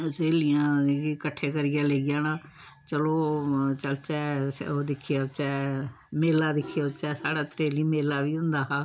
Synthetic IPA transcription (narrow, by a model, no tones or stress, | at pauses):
seːlɪjãːkikəʈʰːeːkəɾɪjãːleɡjaːnãː | t͡ʃəloːt͡ʃəlt͡ʃɛːsoːd̪ɪkʰːɪjaːt͡ʃɛː | meːlaːd̪ɪkʰːɪjaːt͡ʃɛːsaːɽaːt̪ɾeːliːmeːlːaːʋiːʊ̃nd̪aːɦaː